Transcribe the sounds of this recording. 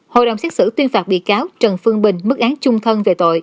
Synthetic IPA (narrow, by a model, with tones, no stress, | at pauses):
ho̰˧˨jɗə̰˨˩wŋ͡msɛː˦˥t̚sɨ̰˧˩t̪wi˧ənfaː˨˩p̚ɓḭ˧˨kaː˨˦wt͡ɕə˨˩nfɨ˧əŋɓï˨˩ŋ̟mɨ˦˥k̚ʔaː˨˦ŋt͡ɕʊ˧ŋ͡mt̪ʰə˧nve˨˩t̪o̰˧˨j